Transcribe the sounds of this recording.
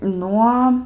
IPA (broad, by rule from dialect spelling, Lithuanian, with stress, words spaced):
ˈnuɔ